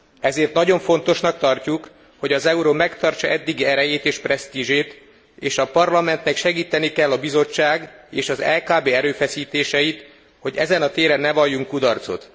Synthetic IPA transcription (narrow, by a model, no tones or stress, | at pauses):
ɛzeːrt̪nɒɟo̞ɱfo̞nt̪o̞ʃnɒk̚t̪ɒrcuk | hoɟɒzɛuɾoːmɛkt̪ɒrt͡ʃɒʔɛd̪ːiɡiɛɾɛjeːt̪eːʃprɛst̪iʒeːt̪ | eːʃɒpɒrlɒmɛnt̪nɛkʃɛɡiːt̪ɛnikɛlːɒbizo̞t͡ʃːaːɡeːʃɒzɛ̰lkaːbeːɛɾøːfɛsiːt̪eːʃɛjit̪ | ho̞ɟɛ̰zɛnɒt̪eːɾɛnːɛvɒjːuŋkːud̪ɒrt̪so̞̰t̪